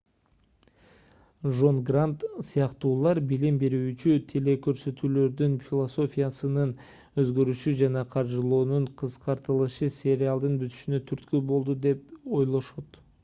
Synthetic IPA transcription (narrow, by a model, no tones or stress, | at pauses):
ʒo̞nɡrant̪sɨjɑqt̪uːlˠɑɾbilimbeɾyːt͡ʃyt̪ʰele̞kø̞ɾsø̞t̪yːlø̞ɾd̪ynfʲɪlˠoso̞fʲijasɯnɯn | ø̞zɡø̞ɾyʃyd͡ʒɑnɑqʰɑɾʒɯlˠoːnuɴqʰɯsqɑɾt̪ɯlˠɯʃɯsʲe̞ɾʲɪalˠd̪ɯnbyt̪y̥ʃynø̞t̪ʰyɾt̪købo̞lˠd̪ud̪e̞po̞jlˠo̞ʃo̞t̪